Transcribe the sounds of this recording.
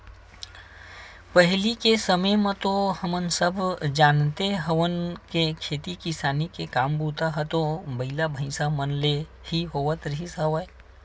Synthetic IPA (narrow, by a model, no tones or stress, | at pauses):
pəɦlikesəməjmə̃t̪ohəmənsəbʱd͡ʒaːnt̪eɦəʋənkekʰeːt̪ikisaːnikekaːmbut̪aɦət̪obəɪlabʱə̃ɪ̃samənle | hiɦoːʋət̪ɾəɦisəʋəj